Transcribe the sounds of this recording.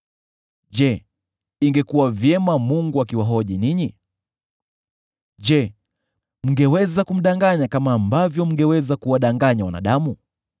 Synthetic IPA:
ʄɛ | iŋɡɛkuwavjɛmamuŋɡuakiwaɦɔʄiniɲi | ʄɛ | m̩ŋɡɛwɛzakum̩ɗaŋɡaɲakamaːmbavjɔm̩ŋɡɛwɛzakuwaɗaŋɡaɲawana̰ɗamu

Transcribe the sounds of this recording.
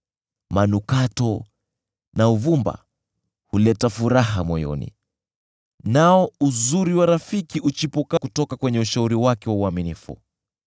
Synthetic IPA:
manukatɔ | nauvumba̰ | hulɛtafuɾaɦamɔjɔ̰nḭ | naɔuzuɾiwaɾafikiʔut͡ʃipɔkakutɔkakwɛɲɛuʃauɾiwakɛwauaminifṵ

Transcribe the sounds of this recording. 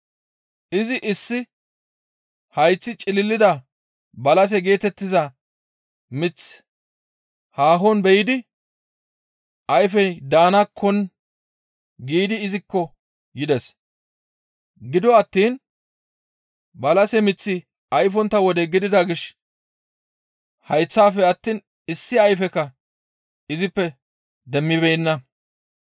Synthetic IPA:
ʔɪzɪʔɪsːɪ | hɐjt͡sːɪt͡ʃʼɪlɪlːɪd̪ɐ | bɐlɐs̬ɛɡe̞ːt̪ɛt̪ːɪzɐ | mɪt͡sː | haːɦɔnbɛjɪd̪ɪ | ʔɐjfɛd̪aːnɐkʰːɔn | ɡiːd̪ɪːzɪkːɔ | jɪd̪ɛs | ɡɪd̪ɔɐt̪ːiːn | bɐlɐsɛmɪt͡sːɪ | ɐjfɔnt̪ːɐwɔd̪ɛɡɪd̪ɪd̪ɐɡɪʃ | hɐjt͡sːaːfɛɐt̪ːiːn | ɪsːɪɐjfɛkːɐ | ɪzɪpːɛ | d̪ɛmːɪbɛjnːɐ

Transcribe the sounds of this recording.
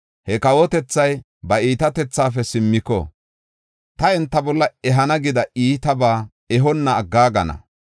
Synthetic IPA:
hɛkɐwɔt̪ɛt͡sːɐj | bɐiːt̪ɐt̪ɛt͡sːaːfɛsɪmːɪkɔ̰ | t̪ɐɛnt̪ːɐbɔlːɐɛɦɐnɐɡɪd̪ɐʔiːt̪ɐbaː | ɛɦɔnːɐːɡːaːɡɐnɐ̰

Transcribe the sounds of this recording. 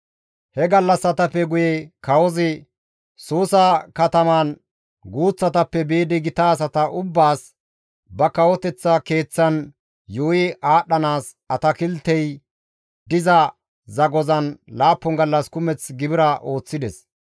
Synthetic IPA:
hɛɡɐlːɐsɐt̪ɐpːɛɡʊjɛkɐwɔzɪ | suːsɐkɐt̪ɐman | ɡuːt͡sːɐt̪ɐpːɛbeːd̪ɪɡɪt̪aːs̬ɐt̪ɐʔʊbːaːs | bɐkɐwɔt̪ɛt͡sːɐke̞ːt͡sːɐn | joːjɪʔaːɗːɐnaːs | ɐt̪ɐkɪlt̪ːɛj | d̪ɪzɐ | zɐɡɔzɐnlaːpːɔŋɡɐlːɐskʊmɛt͡sɡɪbɪɾɐʔo̞ːt͡sːɪd̪ɛs

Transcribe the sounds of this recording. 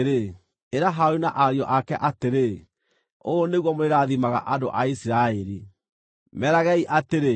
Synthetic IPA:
ɾe | eɾaɦaoinaʔaɾjɔʔakɛʔateɾe | oːneɣwɔmoɾeɾaðimaɣa̰ʔado̰ʔaisiɾaeɾi | mɛɾaɣɛiʔateɾe

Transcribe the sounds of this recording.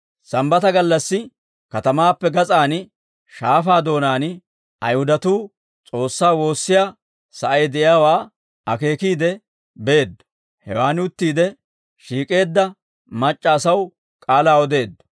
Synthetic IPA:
sɐmbɐt̪ɐɡɐlːɐsːɪ | kɐt̪ɐmaːpːɛɡɐt͡sʼaːn | ʃaːfaːd̪o̞ːnaːnɪ | ɐ̰jhʊd̪ɐt̪uː | t͡sʼo̞ːsːaːwo̞ːsːɪjaː | sɐʔɐjd̪ɛʔɪjaːwaː | ɐke̞ːkiːd̪ɛ | beːd̪ːɐ | hɛ̰waːnɪʊt̪ːiːd̪ɛ | ʃiːkʼe̞ːd̪ːɐ | mɐt͡ʃʼːɐːsɐw | kʼaːlaːɔd̪e̞ːd̪ːɐ̥

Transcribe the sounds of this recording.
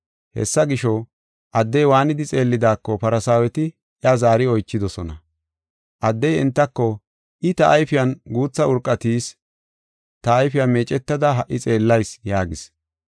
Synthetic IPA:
hɛ̰sːɐɡɪʃɔ | ʔɐd̪ːɛjwaːnɪd̪ɪt͡sʼe̞ːlːɪd̪aːkːɔpɐɾɐsaːwɛt̪ɪ | ʔjɐzaːɾɪɔjt͡ʃːɪd̪ɔsɔnɐ̰ | ʔɐd̪ːɛjɪ̰nt̪ːɐkːɔ | ʔɪt̪ɐʔːjfɪjɐnɡuːt͡sːɐʊɾkʼːɐt̪iːs | t̪ɐːjfɪjameːt͡ʃʼɛt̪ːɐd̪ɐɦɐʔːɪt͡sʼe̞ːlːɐjsjaːɡɪs

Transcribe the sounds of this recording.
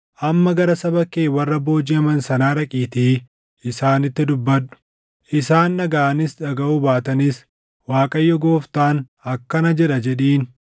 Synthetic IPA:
ʔɐmːɐɡɐɾɐsɐbɐkːeːwɐrːɐbo̞ːd͡ʒiːɐmɐnsɐnaːɾɐkʼiːt̪iː | ʔɪsaːnɪt̪ːɪd̪ʊbːɐᶑʊ̥ | ʔɪsaːnːɐɡaːʔɐnɪsᶑɐɡɐʔuːbaːt̪ɐnɪs | waːkʼɐjːɔɡo̞ːft̪aːn | ɐkːɐnɐd͡ʒɛᶑɐd͡ʒɛᶑiːn

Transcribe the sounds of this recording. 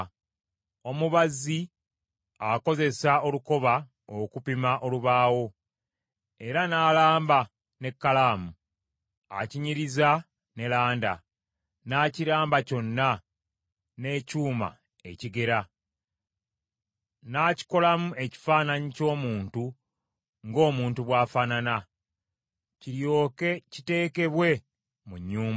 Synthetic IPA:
o̞muβazːi | ako̞ze̞sao̞luko̞βa | okupimaʔo̞luβaːwo̞ | e̞ɾanaːlaːmba | ne̞kːalaːmu | a̰ciɲiɾiza | ne̞laːnda̰ | naːciɾaːmbaco̞nːa | ne̞cuːma̰ | e̞̰ciɡe̞ɾa | naːci̥ko̞lamue̞ci̥faːnaɲico̞ːmuːntu | ŋɡo̞ːmuːntuβwaːfanana | ciɾjo̞ːke̞cite̞ːke̞βwe̞ | muɲːuːmba

